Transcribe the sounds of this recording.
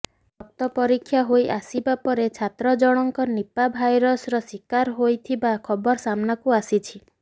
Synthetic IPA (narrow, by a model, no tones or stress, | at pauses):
ɔk̚t̪ɔpɔɾikʰːjaɦojʔasibapɔɾet͡ʃʰat̪ɾɔd͡ʒɔɽ̃ɔŋkɔnipabʱajɾɔsɾɔsikaɾɦojt̪ʰibakʰɔbɔɾsamnakuasit͡ʃʰi